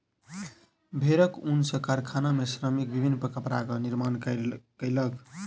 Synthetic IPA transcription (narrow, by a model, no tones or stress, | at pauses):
bʱeɾəkunsəkaɾkʰanamesɾəmik̚bibʱinːəpəkəpɾa̰kəniɾmankəjlək